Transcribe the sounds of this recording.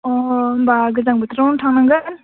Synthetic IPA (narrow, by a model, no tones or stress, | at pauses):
ɔbaɡɯzaŋbət̪ʰɾawntʰaŋnaŋɡɯn